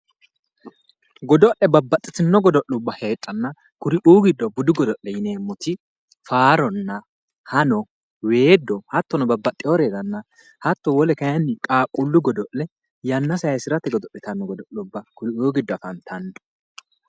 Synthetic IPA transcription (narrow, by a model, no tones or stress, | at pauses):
ɡɔd̪ɔʔɛbɐbːɐt̪ʼːɪt̪ɪnːɔɡɔd̪ɔʔːʊbːɐhe̞ːtʼːɐnːɐ | kʊɾɪʔuːɡɪd̪ːɔbʊd̪ʊɡɔd̪ɔʔɛjɪne̞ːmːɔt̪ɪ | faːɾɔnːɐ | hɐnɔ | we̞ːd̪ːɔhɐt̪ːɔnɔbɐbːɐt̪ʼːɪjoɾed̪ɐnːɐ | hɐt̪ːɔwɔlɛkɐjɐnːɪkʼaːkʼʊlːʊɡɔd̪ɔʔːɛ | jɐnːɐsɐjɐjsɪɾɐt̪ːɛɡɔd̪ɔʔːɛt̪ɐnːɔɡɔd̪ɔʔːʊbːɐkʊɾɪuːɡɪd̪ːɔɐfɐnt̪ʰɐnd̪ɔ̥